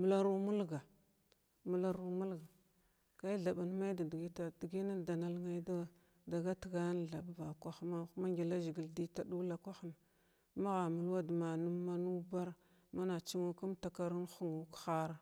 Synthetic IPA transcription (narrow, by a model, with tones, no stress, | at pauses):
mu˨la˦ɾu˦mu˦lɡa˨ | mu˨la˦ɾu˨mu˦lɡa˨ | ka˦i˦ɮa˨ɓa˨nma˦i˦da˨di˨ɡi˦ta˨di˨ɡi˦na˦da˨na˦lŋa˦d | da˨ɡa˦tə˨ɡa˦jn˨ɮa˨bba˨kʷa˦xma˦ma˦ŋɡi˨la˦ʒi˨ɡi˨ldi˦ta˨du˦la˨kʷa˦xə˨n˨ | ma˦ɣa˨mu˨lwa˦dma˨nu˦mːa˦nu˦ba˦ɾ | ma˦na˨t͡ʃi˦ŋu˦ku˦mta˨ka˦ɾu˦nxu˦ŋu˨kxa˦ɾa˨